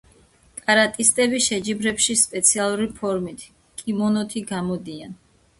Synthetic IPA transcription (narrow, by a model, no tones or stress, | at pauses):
kʼaɾat̪ʼist̪ʼɛbiʃɛd͡ʒibɾɛpʃispʼɛt̪sʰialˠuɾipʰɔɾmit̪ʰ | kʼimɔnɔt̪ʰiɡamɔd̪ian